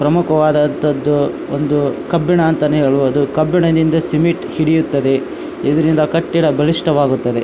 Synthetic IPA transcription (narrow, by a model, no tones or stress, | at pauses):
pɾɐmukɐʋaːd̪ɐnt̪ɐd̪ːu | ond̪ukɐbːiɳɐːnt̪ɐniːɾɐɭuɐd̪ukɐbːiɳɐd̪ind̪ɐsimiʈhiɽijut̪ːɐd̪e̞ | id̪ɐɾind̪ɐkɐʈːiɽɐbɐliʂʈɐʋaːɡut̪ːɐd̪e